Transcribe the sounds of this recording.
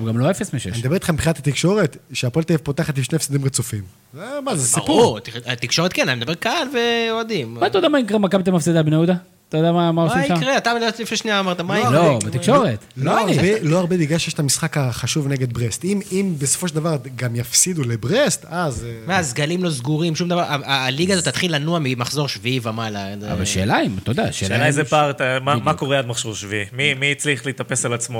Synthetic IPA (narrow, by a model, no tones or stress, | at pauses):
uɡamloefesmeʃened̪abe̞it̪χambχinat̪ʰat̪ikʃo̞ʁet̪ʃeapo̞lt̪evpot̪aχat̪imʃnefsid̪imʁet͡sufim | zemazesiʁpuut̪it̪ikʃo̞ʁet̪̚kenanimed̪abekalveoad̪immat̪ajod̪amaikʁemakabt̪̬emafsid̪albenaud̪a | t̪ajod̪amamaosimiakʁeat̪amed̪abet̪lifneʃniamaʁt̪amajoloet̪ikʃo̞ʁet̪loaʁibelo̞aʁbebiɡaʃejeʃt̪amisχakaχaʃuvneɡe̞d̪bʁest̪imimbeso̥fo̞ʃeld̪avaʁɡamjafsid̪ulebʁest̪azmeazɡalimlo̞zɡuʁimʃumd̪avaʁaaliɡazot̪ːat̪χilanuamimaχzo̞ʁʃviivamalaza̰va̰lʃḛːlaimt̪od̪aʃḛːenajzepaʁt̪amamako̞ʁead̪maχʃoʁʃviimimit͡sliχleit̪ape̞salat͡smo